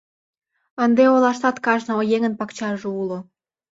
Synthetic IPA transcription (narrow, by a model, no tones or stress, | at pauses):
ənd̪eolɑʃt̪ɑt̪kɑʒnɤojeŋənpɑkt͡ɕɑrʒeulŏ